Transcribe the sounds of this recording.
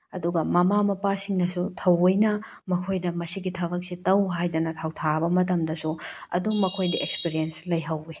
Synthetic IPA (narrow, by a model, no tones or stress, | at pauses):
ɐduɡɐmɐmamɐpasiŋnɐsutʰɐwɐjnɐ | mɐkʰojdɐmɐsiɡitʰɐbɐk̚sitɐwɦajdɐnɐtʰɐwtʰaɾɐbɐmɐt̬ɐmdɐsuɐ̰duŋmɐkʰojdɐʔek̚spiɾijenslɐjɦɐwbi